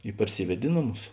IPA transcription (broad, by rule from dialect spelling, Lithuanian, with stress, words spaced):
ɪ pɐrʲˈsʲiːʋʲɛtʲ ɪ ˈnoːˌmʊs